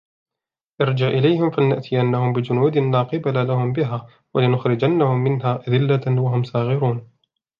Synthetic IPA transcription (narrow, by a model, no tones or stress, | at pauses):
ʔɑɾˤd͡ʒaʕʔɪlajhɪmfalnaʔt̪ʰɪjanːahʊmbɪd͡ʒʊnuːd̪ɪlaːqɨbalalahʊmbɪɦaː | walɪnʊxɾɪd͡ʒanːahʊmːɪnɦaːʔad̪ɪlːawaɦʊmsaːɣɪɾuːn